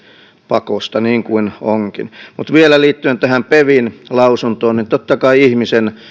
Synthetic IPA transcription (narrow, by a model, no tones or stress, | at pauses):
pɑkost̪ɑniːŋkuinoŋkḭnmut̪ʋielæliːt̪ːyent̪æhæmpeʋinlɑusunt̪oːnnint̪ot̪ːɑkɑiihmisen